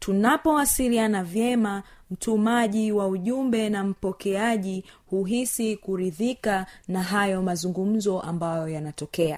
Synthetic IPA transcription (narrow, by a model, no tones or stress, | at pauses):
tʰunapɔwasilianavjɛmam̩tʰumaʄiwauʄumbɛnam̩pɔkɛaʄihuɦisikuɾiðikanaɦajɔmazuŋɡum̩zɔʔambajɔjanatɔkɛa